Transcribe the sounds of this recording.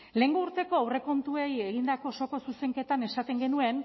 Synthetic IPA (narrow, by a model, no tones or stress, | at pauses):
le̞ŋɡouɾt̪e̞ko̞awre̞ko̞nt̪ueje̞ɣind̪ako̞so̞ko̞suse̞ŋke̞t̪ane̞sat̪e̞ŋɡe̞nue̞n